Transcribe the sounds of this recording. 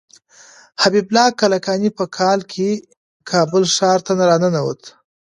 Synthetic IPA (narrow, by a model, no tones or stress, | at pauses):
habiblɑkalakɑnipəkʰɑlkʰe | kʰɑbəlʂɑɾt̪anaɾɑnənawə̰t̪